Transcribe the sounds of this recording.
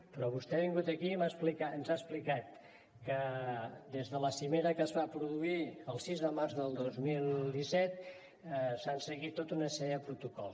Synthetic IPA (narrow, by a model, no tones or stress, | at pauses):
pɾɔβust̪ɛβiŋɡut̪əkimasplikaənzaəsplikat̪̚ | kəd̪ezðələsimeɾəkəzβapɾuðuiəlˠsizðəmaɾzðəlˠd̪ozmilˠd̪isɛt̪ | sansəɣit̪ːot̪unəsɛəpɾut̪ukɔlˠ